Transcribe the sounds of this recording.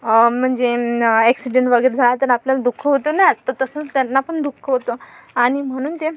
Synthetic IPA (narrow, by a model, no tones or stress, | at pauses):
m̤əɳd͡zeɛksiɖeɳʈʋəɡəjɾed͡zʱalat̪əɾapljalad̪ukʰːəɦot̪onaat̪at̪əsə̃ːt͡st̪janːapəɳd̪ukʰːəɦot̪oaɽ̃im̤əɽ̃uːnt̪e